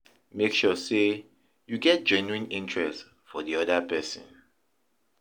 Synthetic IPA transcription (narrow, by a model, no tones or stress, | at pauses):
mekʃɔse | juɡɛt̚d͡ʒɛ̃nuĩnɪ̃ntɹɛst | fɔdiɔdəpɛsə̰̃n